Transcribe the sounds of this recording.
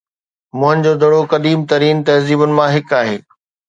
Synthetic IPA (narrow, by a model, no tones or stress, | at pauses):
mʊ̃ɦənɪ̆d͡ʑoːd̪ʱɐɽokɐd̪iːmt̪ɐɾiːnt̪ɐɦziːbʊnɪ̆mãɦɪkaːɦeː